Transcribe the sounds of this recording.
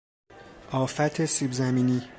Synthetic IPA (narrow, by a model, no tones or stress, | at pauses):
ʔɒːfæt̪ʰesibzæmiːniː